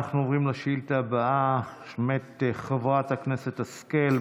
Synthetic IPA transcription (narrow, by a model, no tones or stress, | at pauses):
aχnuovʁimleʃiltabaʔaʃmetχavʁathaknesetaskel